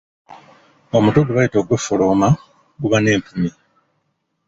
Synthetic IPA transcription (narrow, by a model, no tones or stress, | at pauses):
o̞mutuduβajito̞ːɡwefoloːma | ɡuβane̞ːmpumi